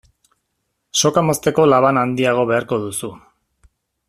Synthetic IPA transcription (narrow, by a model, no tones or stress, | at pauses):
so̞kamo̞st̪e̞ko̞laβ̞anand̪iaɣ̞o̞βe̞aɾko̞ðusu